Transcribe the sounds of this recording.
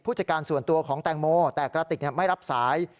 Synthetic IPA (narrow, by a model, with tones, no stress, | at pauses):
pʰuː˥˩t͡ɕa˧˩kaː˧nsu˨˩ənt̪u˧ɐkʰɔː˩˦ŋt̪ɛː˧ŋmoː˧t̪ɛː˨˩kɾaː˧t̪i˨˩k̚ni˥˩ma˥˩jɾa˦˥p̚saː˩˦j